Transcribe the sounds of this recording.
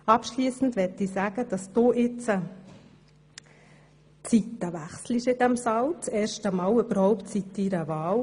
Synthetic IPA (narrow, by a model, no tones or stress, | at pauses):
ɑpʃliːsn̩d̪ʋɛtisæːɡ̥əd̪̥ɑsd̥̪oːʔɪt͡sə | t͡sit̪əʋæχsliʃɪdɛmsɑlt͡sɛːɾʃtəmɑːlyb̥əɾhɔʊptsit̪ːiːɾəʋɑːl